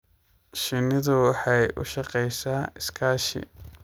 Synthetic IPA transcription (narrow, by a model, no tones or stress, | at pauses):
ʃɪnɪðʊwɑħɑjʔʊ̰ʃɑqɛjsaːɪskʰaːʃɪ̰